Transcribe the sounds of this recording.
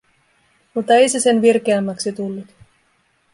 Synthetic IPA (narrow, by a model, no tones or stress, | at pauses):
mut̪ːɑe̞jsese̞nʋirkeæmːæksit̪ulːut̪